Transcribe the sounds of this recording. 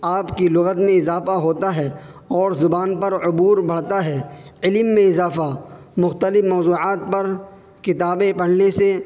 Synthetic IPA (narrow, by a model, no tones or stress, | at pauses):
aːpkilʊɣət̪mẽɪzaːfaɦoːt̪aɦɛːɔːɾzʊbaːnpɐɾʊbuːɾbʱɐɽ̤t̪aɦɛːɪlmːẽɪzaːfa | mʊxt̪əlɪfmɔːzuːʕaːt̪̚pɐɾ | kɪt̪aːbẽpɐɽ̤nese